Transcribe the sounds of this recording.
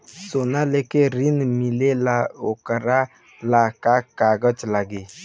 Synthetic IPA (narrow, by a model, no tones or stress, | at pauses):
sonalekeɾinmilelaokaɾa | lakakaɡɔt͡ʃlaɡɪ